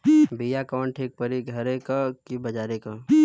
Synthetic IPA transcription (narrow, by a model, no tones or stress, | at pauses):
bijakaːɳʈeːk̚pəɾiɡʱɐɾekakibɐd͡ʒaːɾeka